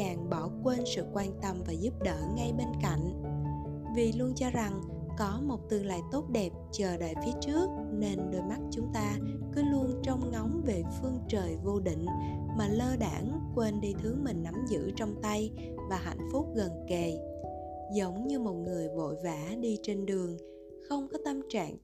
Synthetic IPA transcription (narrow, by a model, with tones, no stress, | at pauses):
aː˨˩ŋɓɔ˧˩kwe˧nsɨ̰˧˨kwaː˧nt̪ə˧mvaː˨˩zu˦˥p̚ɗəː˧˨ŋa˧jɓe˧nka̰˧˨jŋ̟ | vḭ˨˩lu˧ənt͡ɕɔ˧za˨˩ŋ | kɔ˨˦mo˨˩t̚t̪ɨ˨˩əŋla̰ː˧˨jt̪o˦˥t̚ɗɛ˨˩p̚t͡ɕəː˨˩ɗa̰ː˧˨jfi˨˦ət͡ɕɨ˦˥ək̚ne˧nɗo˧jma˦˥t̚t͡ɕʊ˨˦ŋ͡mt̪aː˧kɨ˨˦lu˧ənt͡ɕɔ˧wŋ͡mŋɔ˨˦wŋ͡mve˨˩fɨ˧əŋt͡ɕəː˨˩jvo˧ɗḭ̈˧˨ŋ̟maː˨˩ləː˧ɗaː˧˩ŋkwe˧nɗi˧t̪ʰɨ˨˦əŋmï˨˩ŋ̟na˨˦mzɨ̰˧˥t͡ɕɔ˧wŋ͡mt̪a˧j | vaː˨˩ɦa̰˧˨jŋ̟fʊ˦˥k͡p̚ɣə˨˩nke˨˩ | zə˨˦wŋ͡mɲɨ˧mo˨˩t̚ŋɨ˨˩əjvo̰˧˨jvaː˧˥ɗi˧t͡ɕe˧nɗɨ˨˩əŋ | xə˧wŋ͡mkɔ˨˦t̪a˧mt͡ɕa̰ː˧˨ŋ